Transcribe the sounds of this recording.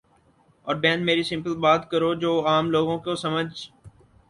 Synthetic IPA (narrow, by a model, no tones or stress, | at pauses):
ɔːɾbɛ̃ːnmeːɾisɪ̃mpəlbaːt̪kəɾod͡ʒoːaːmloːɡõkosəməd͡ʒ